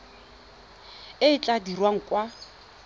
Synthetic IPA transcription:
ɪɪt͡ɬʼadirwaŋ̩kʼwa

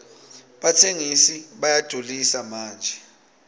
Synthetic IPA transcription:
ɓatʰeŋisiɓajad̥ʱolisamaːnd͡ʒʱɛ

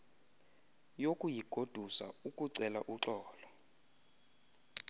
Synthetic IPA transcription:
jokʼujiɡ̥ʱod̥ʱusa̰ukʼuǀɛla̰ʔuǁɔːlɔ

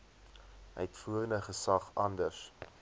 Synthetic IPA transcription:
œjɛtfuəɾəndəχəsɐχɐndərs

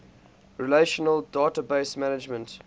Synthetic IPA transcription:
ɹileʃɔnəldɑːtəbeɪsmænɪd͡ʒmə̃nt

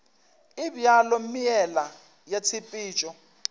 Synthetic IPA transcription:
ibjalɔmijɛla | jat͡sʰipʼiːt͡ʃʼɔ

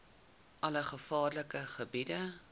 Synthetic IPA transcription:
ʔɐləχəfɑːrləkəχəbidə

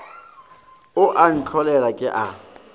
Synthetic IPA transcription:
ʊʔan̩t͡ɬʰɔlɛlakʼɪʔa

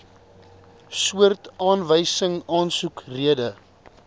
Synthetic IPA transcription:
suərtɑːnvəjsəŋɑːnsukriədə

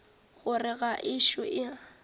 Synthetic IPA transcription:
ɣʊrɪɣaʔɪʃʊʔɪa

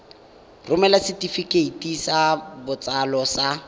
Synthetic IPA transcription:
rʊmɛlasɪtifikʼeitisabʊt͡salɔsa

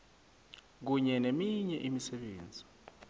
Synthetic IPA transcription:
k̬uɲɛnemiɲɛʔimisɛɓeːnd͡zʱi

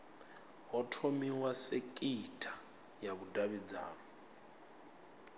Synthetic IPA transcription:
ɦɔtʰomiwasekʼitʰʼḁ | jaβudaβid͡za̰ːnɔ

